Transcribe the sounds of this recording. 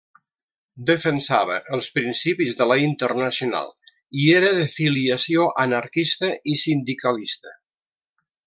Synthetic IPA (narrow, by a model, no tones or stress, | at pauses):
d̪əfənsaβə̰ʔəlˠspɾinsipizðələint̪ərnəsiuna̰lˠ | ieɾəðəfiliəsioʔənəɾkist̪əʔisind̪ikəlist̪ə